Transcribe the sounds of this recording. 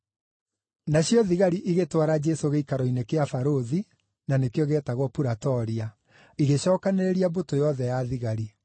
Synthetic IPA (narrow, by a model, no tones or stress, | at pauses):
naɕjɔðiɣaɾiʔiɣetwaɾad͡ʒɛsoɣeikaɾɔinekeafaɾoði | nanekeoɣɛːtaɣwɔpuɾatɔɾia | iɣeɕɔːkaneɾeɾiabotojɔðɛjaðiɣaɾi